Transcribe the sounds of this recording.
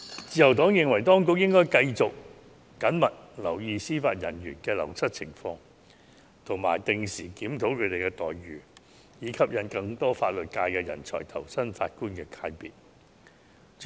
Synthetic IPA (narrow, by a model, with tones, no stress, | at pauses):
t͡siː˧jɐ˨˩wt̪ɔː˨˥ŋjɪ˨ŋwɐ˨˩jt̪ɔː˥ŋkʊ˨˧k̚jɪ˥ŋkɔː˥jkɐ˧jt͡sʊ˨k̚ː | ɐ˨˥nmɐ˨t̚lɐ˨˩wjiː˨˧siː˥faː˧t̚jɐ̰˨˩nɥyː˨˩nkɛː˧lɐ̰˨˩wsɐ˥t̚t͡sʰɪ˨˩ŋfɔː˧ŋ | t̪ʰʊ˨˩ŋma̰ː˨˩jt̪ɪ˨˧ŋsiː˨˩kiː˨˥mt̪ʰo˨˥wkʰɵ˨˧t̪e˨jkɛ˧t̪ɔ̰ː˨jɥyː˨˩ | jiː˨˧kʰɐ˨p̚jɐ˨˥nkɐ˧ŋt̪ɔː˥faː˧t̚lɵ˨t̚kaː˧jkɛː˧jɐ̰˨˩nt͡sʰɔ̰ː˨˩jt̪ʰɐ˨˩wsɐ˥nfa̰ː˧t̚kuː˥nkɛː˧kʰaː˧jpḭː˨t̚